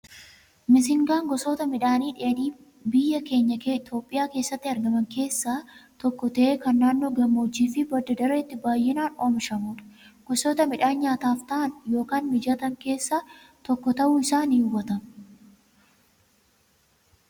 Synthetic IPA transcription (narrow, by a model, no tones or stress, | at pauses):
mɪs̬ɪŋɡaːŋɡɔsoːt̪ɐmɪᶑaːniːᶑe̞ːniː | bɪjːɐke̞ːɲːɐkːt̪o̞ːpʼːɪjaːke̞ːsːɐt̪ːɪɐɾɡɐmɐŋke̞ːsːaːt̪ɔkːɔt̪ɐʔeːkɐnːaːnːoːɡɐmːoːd͡ʒːiːfɪbɐd̪ɐd̪ɐɾɐɪt̪ːɪbaːjːɪnaːnoːmɪʃɐmuːᶑɐ̥ɡ̥ɔsoːt̪ɐmɪᶑaːnɲaːt̪aːft̪ɐʔɐnjo̞ːkaːnmɪd͡ʒat̪ɐŋke̞ːsːaː | t̪ɔkːɔt̪ɐʔuːɪsaːniːʊbɐt̪ɐm